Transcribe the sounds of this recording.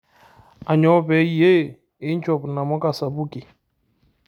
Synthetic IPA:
a˨ɲɔ˨˦bɛ˨˦je˦˨ | ɪ˨˦n̩˦t͡ʃɔ˨pna˨mɔ˦ka˨sa˨bu˦ki˨

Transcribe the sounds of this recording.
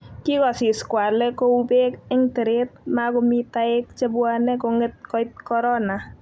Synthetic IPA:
ki˦kɔ˨sɪ˨skwa˨lɛ˦ko˦ube˦kɪ˦ŋte˨ɾet̚makomi˦taɪk̚t͡ʃe˦bwa˦nɛ˦koŋe˦t̚kɔ˦jt̚kɔ˦ɾɔ˦na˨

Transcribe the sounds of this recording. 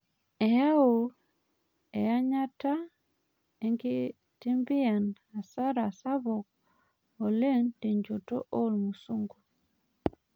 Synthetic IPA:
e˨ja˦o˨ | e˨ja˦ɲa˦ta˦ | e˦ŋɡi˦ | ti˦mbi˦a˨n | a˨sa˦ɾa˨sa˦βɔ˨k̚ | o˨le˦ndi˨ɲd͡ʒo˨to̰˦ʔo˦lmu˨su˦ŋɡu˨

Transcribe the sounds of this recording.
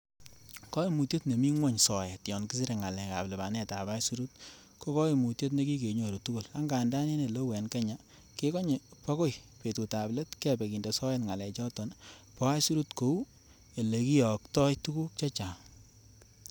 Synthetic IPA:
kɔ˦i˨mu˨tje˦tne˨mi˦ŋwɔ˦˨ɲsɔ˨jɛ˨tjɔ˨nki˦si˦ɾe˨ŋa˨lɛ˨ka̰˨ple˨ba˨ne˦ta˨ba˦jsu˦ɾu˦t̚ | ko˦kɔ˦i˨mu˨tje˦t̬ne˦ki˦ke˨ɲo˨ɾo˨tu˦ku˦la˦ŋɡa˨nda˦ne˦ne˨lo˦wɛ˨nke˦ɲa˨ | ke˦kɔ˦ɲe˨pɔ˦ko˦jpe˨tu˨ta˨ple˦tkɛ˦be˨ki˨nde˨sɔ˦jɛ˦tŋa˨lɛ˨t͡ʃɔ˦tɔ˨npɔ˨˦a˦jsu˦ɾu˦tko˨˦u˦ | e˨le˨ki˦jɔ˨ktɔ˦jtu˦ku˦k̚t͡ʃe˦t͡ʃa˨

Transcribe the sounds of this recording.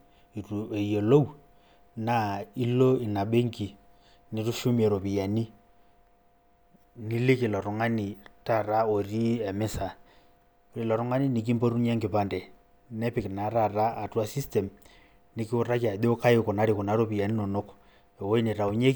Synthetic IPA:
i˨tu˨ɛ˨ijɔ˨lo˦u˦ | na˨i˦lɔ˦i˨na˨ɓe˦ŋɡi˨ | ni˨ru˦ʃu˦mi˦ɛ˨ɾo˨pi˨ja˨ni˦ | ni˦le˦ke˨lɔ˨ɾo˨ŋa˦ni˨ta˦˨ɾa˦o˨ɾi˦ɛ˨me˦sa˨ | ɾi˨lɔ˨ɾu˦ŋa˦ni˦ni˨k̬i˦mbɔ˦ɾu˦ɲ˦ɛ˦ŋɡe˨pa˨ndɛ˨ | nɛ˦pi˨kna˨˦ɾa˨ra˦a˨tu˦a˦si˦stɛ˨m | ni˨ki˦u˦ra˦ka˨ðo˦ka˦e˦kɔ˨na˨˦ɾi˨kɔ˨na˨˦ɾo˦pi˨ja˨ni˦nɔ˨no˦kɔ̥ | ɛ˨wɔ˦i˦ne˨ɾa˨u˨ɲe˦k

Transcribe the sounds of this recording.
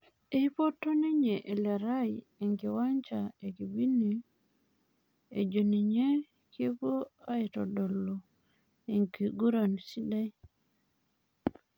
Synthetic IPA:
e˦i˦po˦tːo˦ni˦ɲe˨ʔe˨le˨ɾa˦j | e˨ŋɡi˨wa˦ɲt͡ʃa˨e˨ki˨bi˦ni˨ | ḛ˨d͡ʒo˨ni˨ɲe˦ | ke˦po˦a˦i˨to̰˨do˨lːo˨ | e˨ŋki˨ɡu˦ɾa˨nsi˦da˦j

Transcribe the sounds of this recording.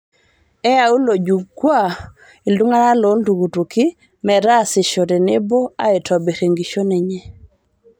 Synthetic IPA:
ɛ˦a˨u˦lo˨d͡ʒu˨kwa˦˨ | i˨ldu˦ŋa˦ɾa˦lo˨˦ldu˨ɡu˨tu˨kɪ˦ | mɛ˨ɾa˦˨sɪ˨ʃo˨dɛ˨ne˦bo˦a̰˦e˨tʰɔ˨be˨ɾe˨ŋɡi˨ʃo˦nɛ˨ɲɛ˦

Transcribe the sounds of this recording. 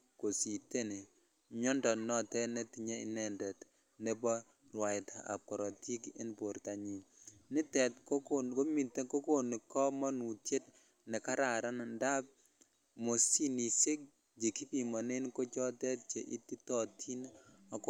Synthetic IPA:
ko˨si˨te˦ne˨ | ɲɔ˦ndɔ˨nɔ˦tɛ˦nɛ˦ti˨ɲe˦ɪ̰˨˦nɛ˦˨ndɛ˨t | nɛ˦bɔ˦ | rwa˨ɪ˨ta̰˨ʔa̰˨p̚kɔ˨ɾɔ˨ti˦kḛ˦nbo˨ɾta˨ɲi˨nɪ˦tɛ˨tko˦ko˦mi˨te˦ko˦ko˦˨ni˨kɔ˦mɔ˦nu˨tje˦t̚ | nɛ˨ka˦ɾa˨ɾa˦n˨nda˦b̚ | mo˨si˦ni˨sɪ˦k̚ | d͡ʒe˨ki˦pi˨mɔ˨nɪ˦nko˦t͡ʃɔ˦tɛ˦t̚t͡ʃe˨ʔi˦ti˦tɔ˦tʰi˦na˨k

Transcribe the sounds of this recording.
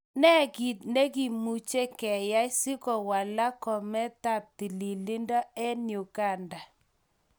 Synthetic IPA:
nɛ˦ɡi˨tne˦ɡi˨mu˦t͡ʃe˦kɛ˨ja˦ɪ˦sɪ˦kɔ˨wa˨la˦kɔ˨mɛ˦ta˦˨p̚ti˨li˨lɪ˦ndɔ˦ɛ˦njo˨ka˦˨nda˨

